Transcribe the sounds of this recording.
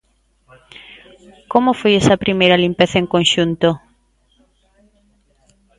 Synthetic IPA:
komofojɛsɐpɾimejɾɐlimpeθɐeŋkõnʃunt̪o

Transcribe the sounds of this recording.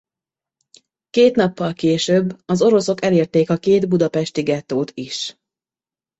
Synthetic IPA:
keːt̪n̪ɒpːɒlkeːʃøbːɒzo̞ɾo̞so̞kɛleːrt̪eːkɒkeːd̪bud̪ɒpɛʃt̪iɡɛt̪ːoːt̪ʰiʃ

